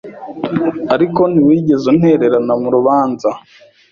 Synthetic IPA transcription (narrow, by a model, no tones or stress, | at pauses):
aɾiko̞niwiːɟe̞zun̥he̞ːɾe̞ɾanamuɾuβaːnza